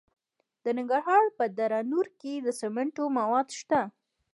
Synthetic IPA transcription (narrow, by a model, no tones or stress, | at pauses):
d̪̥ənɪŋɡəɾɦɑɾpəd̪aɾɑnuɾked̪əsemɪɳʈomawɑd̪ʃt̪a